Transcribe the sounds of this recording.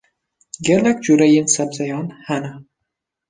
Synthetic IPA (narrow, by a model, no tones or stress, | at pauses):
ɡʲeɾnak̚ʲd͡ʒuɾajɪnsabzajɒnhana